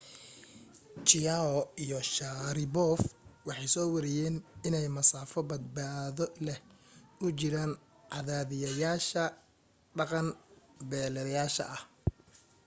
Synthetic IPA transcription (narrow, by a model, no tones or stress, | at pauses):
t͡ʃɪjaɔijɔʃaɾɪbɔːfwɑħɑjsɔːwɑɾɪjɛːnɪnɛjmɐsaːfɔbɐd̪̚baːðɔlɛʊt͡ʃɪɾaːn | ʕɑðaːðɪjɐjaːʃɐ | ɖɑqɑnbɛːlɛɐjaːʃɐ̰ʔɐh